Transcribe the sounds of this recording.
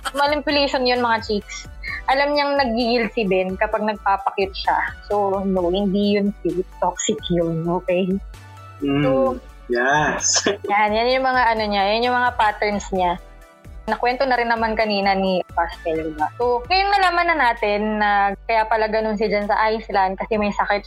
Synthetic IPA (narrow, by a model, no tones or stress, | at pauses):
mɐlɪmpʊlɛjʃonjonmɐŋat͡ʃiksʔɐlamɲɐŋnɐɡ̚ːiɡɪlsɪbɛnkɐpaɡ̚nɐɡ̚paːpɐkɪt̪̚ʃaso̞nohɪnd̪ijʊnsit̪oksɪkjonʔoːkɛj | so | jɛsjanjanjʊŋmɐŋaʔɐno̞ɲajʊnjʊŋmɐŋapaːt̪ɛɛnsɲa | nɐkwɛnt̪o̞nɐɾɪnːɐmankɐniːnɐniɐpast̪ɛlɪmɐsoŋɐjʊŋnɐlaːmanːɐnaːt̪ɪnːɐkɐjapɐlɐɡɐnons̬ɪd͡ʒansɐʔajslankɐsɛmɐjsɐkɛt̪̚